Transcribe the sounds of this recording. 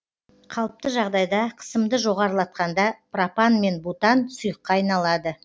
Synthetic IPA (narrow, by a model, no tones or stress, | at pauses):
qʰɑlˠəp̚t̪əʒɑʁd̪ɑjd̪ɑqʰə̥səmd̪əʒo̞ʁɑɾəlˠɑt̪̚qɑnd̪ɑprapɑnme̞nbut̪ɑnsʊjəqːɑːjnɑlˠɑd̪ə